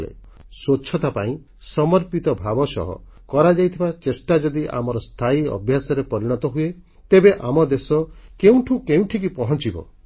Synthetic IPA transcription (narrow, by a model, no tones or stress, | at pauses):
lḛ | sot͡ʃʰɔt̪apaĩ | sɔmɔɾpit̪ɔbʱabɔsɔ̰ɦɔ̰ | kɔɾad͡ʒajt̪ʰibat͡ʃesʈad͡ʒɔd̪iʔa̰mɔɾɔst̪ʰaiɔ̰bʱjasɔɾepɔɾiɽ̃ɔt̪ɔɦue | t̪ebeʔamɔd̪esɔkeũʈʰũkeũʈʰik̬ipɔɦɔnt͡ʃibɔ̰